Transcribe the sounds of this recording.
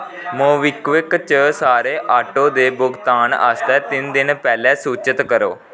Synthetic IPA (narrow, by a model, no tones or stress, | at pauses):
mõːʋɪkʋɪkt͡ʃəːsaːɾeːʔaːʈːoːd̪eːbʊɡt̪aːna̰st̪ɛːt̪ɪnd̪ɪnpɛːlɛːsuːt͡ʃət̪kəɾoː